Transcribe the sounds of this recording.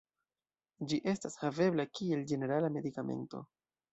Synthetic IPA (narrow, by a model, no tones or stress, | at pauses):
d͡ʒiʔe̞stashave̞blakie̞ld͡ʒe̞ne̞ɾalame̞dikame̞̰nto̞̰